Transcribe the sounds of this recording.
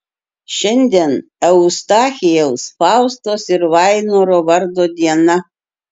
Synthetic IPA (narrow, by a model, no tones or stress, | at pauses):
ʃʲɛnʲd̪ʲɛn | ɛʊʊst̪ɑːxʲɪjɛʊsfɑˑʊst̪oːsɪɾʋɑɪnoːɾoːʋɐɾd̪oːd̪ʲiɛnɐ